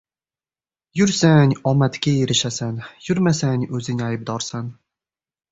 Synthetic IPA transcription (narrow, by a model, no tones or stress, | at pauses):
jʊɾsanʲɒmat̪kʲajeɾɪʃasanjʊɾmasanʲɵzɪnɪajb̚d̪ɒɾsan